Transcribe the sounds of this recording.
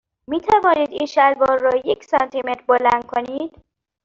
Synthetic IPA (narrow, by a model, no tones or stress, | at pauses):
miːt̪ʰævɒːniːd̪iːnʃæɾbɒːɾːɒːjecʰsɒnt̪ʰimet̪ɾbolænd̪̥̚kʰoniːd̪̥